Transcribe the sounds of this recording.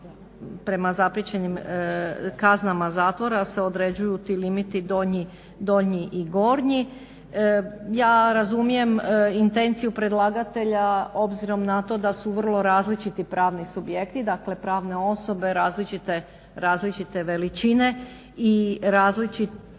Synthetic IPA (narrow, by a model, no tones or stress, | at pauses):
pɾe̞mazapɾjet͡ɕe̞nim | kaznamazaːt̪ʋo̞ɾaseo̞d̪ɾe̞d͡ʑujut̪ilimit̪id̪o̞ɲi | d̪o̞ɲiʔiɡo̞ɾɲi | jaːɾazumije̞mint̪e̞nt̪sijupɾe̞d̪lˠaːɡat̪e̞ʎao̞bziɾo̞mnat̪o̞d̪asuʋr̩lˠo̞ɾaːzlit͡ʃit̪ipɾaːʋnisubje̞kt̪id̪akle̞pɾaːʋne̞o̞so̞be̞ɾaːzlit͡ʃit̪e | ɾaːzlit͡ʃit̪e̞ʋe̞lit͡ʃine̞ | iɾaːzlit͡ʃit̪